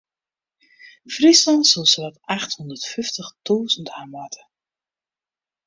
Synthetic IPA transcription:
frislɑntsəlˠsəʋataxthɔndərtfyftəχtuːzən̩tʰamʋatʰə

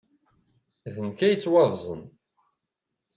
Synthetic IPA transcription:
ðənkæjət͡sːwɑvzˤə̰n

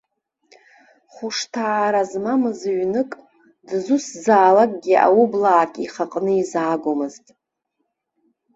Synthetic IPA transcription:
χʊʂtʰaːɾazmamɨzɥnɨkʼ | dzuszaːlakʼɡʲiʔa̰wublaːkʲʼiχaqʼnɨizaːɡʷomɨztʼ

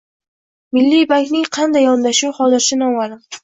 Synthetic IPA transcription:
mɪlːijbakʲnɪŋqʰɑnd̪ajɒnd̪aʃuwhɒzɪɾʃɪnɒmalɪm

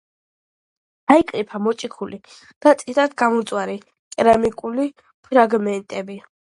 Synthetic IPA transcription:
aikʼɾipʰamɔt͡ʃʼikʰuli | d̪̥at̪sʼiɾad̪ɡamɔt̪sʼwaɾi | kʼɾamikʼuli | pʰɾaɡmɛnt̪ʼɛbi

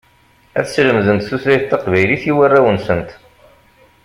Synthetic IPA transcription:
æ̰θsləmðənt̪θuθlæjθt̪ːɑqvæjliθiwərːæwənsənt̪

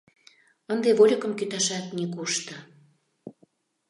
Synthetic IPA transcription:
ənd̪eβolʲəkə̆mkyt̪ɑʃɑt̪nikuʃt̪ə̆

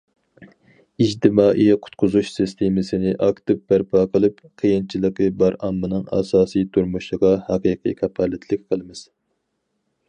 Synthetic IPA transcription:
id͡ʒt̪ɪmɑːʔijqʰʊ̥t̪̚qʰʊzuʃsist̪ʰemɪsɪnɪʔɑkt̪ɨp̚bæɾpʰɑːqʰəlˠɨp | qʰijint͡ʃʰilˠəqəbɑɾɑmːɨnɨŋɑ̰ːsɑːsijt̪ʰuɾmuʃlˠəʁɑhɑqiqʰɨ̰jkʲʰɑpʰɑlɪt̪ʰlɪk̚ʲqʰəlˠɨmɪz̥

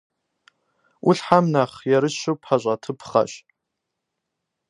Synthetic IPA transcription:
ʔʊɬħamnaχjaɾɨʃɨwpʰħaɕʷʼatʰɨpʰχa̰ɕ

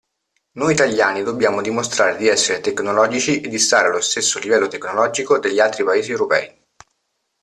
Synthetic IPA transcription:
nojit̪aʎːaːnid̪obːjaːmod̪imost̪ɾaːɾed̪iɛsːeɾet̪eknolɔːd͡ʒit͡ʃiʔed̪ːist̪aːɾealːost̪esːolivɛlːot̪eknolɔːd͡ʒikod̪eʎːialt̪ɾipaeːziewɾopɛ̰ːi

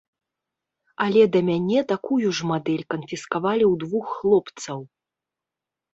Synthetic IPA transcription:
ɐlʲɛd̪ɐmʲanʲɛt̪akujuʐmad̪ɛlʲkɐnfʲiskavalʲiwd̪vuxːlˠɔpt̪sɐw

